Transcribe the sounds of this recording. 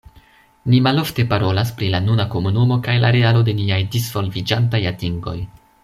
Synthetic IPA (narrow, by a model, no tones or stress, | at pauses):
nimalo̞fte̞paɾo̞las̬pɾilanunako̞munumo̞kajla̰ɾe̞alo̞de̞niajdizvo̞lvid͡ʒantajatiŋɡo̞̰j